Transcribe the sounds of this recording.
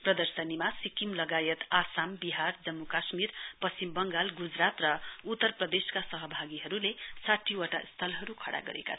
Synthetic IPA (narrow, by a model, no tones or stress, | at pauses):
prʌd̪ʌrsʌnimasikimlʌɡajʌt̪asambiɦard͡zʌmːukasmirpʌst͡simbʌŋɡalɡud͡zrat̪rʌut̪ːʌrprʌd̪eskasʌɦʌbʱaɡiɦʌɾulesaʈʰːiwaʈa̰ist̪ʰʌlɦʌɾukʰʌɽa̰ɡʌ̰ɾḛka̰